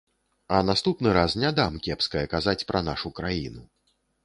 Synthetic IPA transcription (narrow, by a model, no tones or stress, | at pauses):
ɐnast̪upnɨɾasnʲad̪amkʲɛpskɐjɐkazat͡sʲpɾɐnaʂukɾajinu